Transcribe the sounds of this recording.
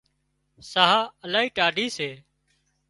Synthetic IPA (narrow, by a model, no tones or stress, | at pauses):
saɦaːəlaːɦiːʈaːɖʱiːseː